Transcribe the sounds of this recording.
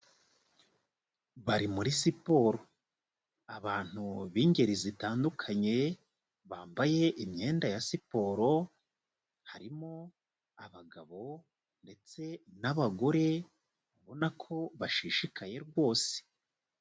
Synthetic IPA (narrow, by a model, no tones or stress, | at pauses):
βaɾimuɾisipo̞ɾo̞ | aβaːn̥huβiːɲɟe̞ɾizitaːndukʰaɲe̞ | βaːmbaje̞ʔimɲe̞ːndajasipo̞ːɾo̞ | haɾimo̞ | aβaɡaβo̞ | nde̞t͡se̞naβaɡo̞ɾe̞ | βaβo̞nakʰo̞βaʃiːʃikaje̞ɾɡwo̞ːse̥